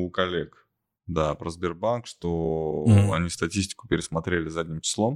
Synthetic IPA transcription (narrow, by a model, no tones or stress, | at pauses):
ukɐlʲek | d̪apɾəzbʲɪrbankʂt̪o | ɐ̰nʲist̪ɐtʲisʲtʲɪ̥kʊ̥pʲɪɾʲɪsmɐt̪ɾʲelʲɪzadʲnʲɪmt͡ɕɪ̥slˠo̞m